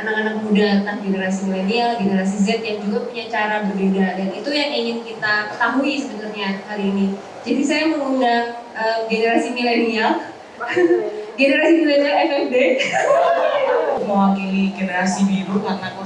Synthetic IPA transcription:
anakanak̚mudat̪ahɡenəɾas̬imilenialɡenəɾas̬izɛt̪̚jaŋd͡ʒuɡapuɲat͡ʃaɾabərbedadanit̪ujaŋiŋɪnkit̪apərt̪aɦuisəbənarɲahaliːni | d͡ʒadisajaməŋundaŋ | ʔəːmɡenəɾasimilenial | ɡenəɾasimilenialɛfɛfde | mowakiliɡenəɾasibiɾukanak

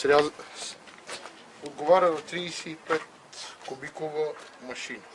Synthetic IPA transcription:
sɾʲaz | od̪̚ɡovaɾʲəzɐt̪ɾisɛipɛt̪ | kobikovəmɐʃinə

